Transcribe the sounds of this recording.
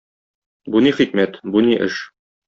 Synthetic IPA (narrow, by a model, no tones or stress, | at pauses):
buniχik̚mæt̪buniʔɘ̰ʃ